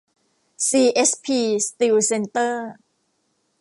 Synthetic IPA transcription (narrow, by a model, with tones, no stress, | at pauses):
siː˧ʔe˦˥spʰiː˧st̪iː˧wse˧nt̪ɤː˥˩